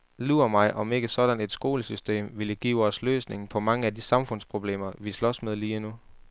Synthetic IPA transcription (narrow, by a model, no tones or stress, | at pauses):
luɐmɑ̈ɪʔɒ̽me̝ɡ̥əsɒ̽d̥æne̝d̥sɡ̥o̝ːləsysd̥e̝̰ːmʋiləɡ̥ḭːɒslø̰ːsne̝ŋ̩pʰɒ̽mɑ̈ŋəædisɑ̈mfɔ̽n̰spʰʁo̝b̥le̝̰ːmɐʋislɒ̽smeð̞ˠliːenu